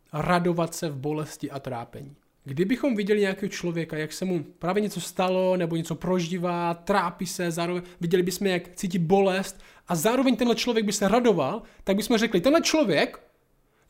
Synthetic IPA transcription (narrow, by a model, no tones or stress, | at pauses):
ɾado̞vat̪sɛvbo̞lɛscɪʔat̪ɾa̰ːpɛ̰ɲiː | ɡdɪbɪxo̞mvɪɟɛlɪɲɛjakɛːɦot͡ʃlo̞vjɛkajaksɛmupɾaːvjɛɲɛt͡so̞st̪alo̞nɛboɲɛt͡so̞pɾo̞ʒɪvaːt̪ɾaːpisɛzaːɾovɛɲvɪɟɛlɪbɪsmɛjakt͡siːc̬ɪt̪̚bo̞lɛst̪ | ʔazaːɾo̞vɛɲt̪ɛnɦlɛt͡ʃlovjɛɡbɪsɛɾado̞valt̪aɡ̚bɪsmɛr̝ɛklɪt̪ɛnɦlɛt͡ʃlo̞vjɛk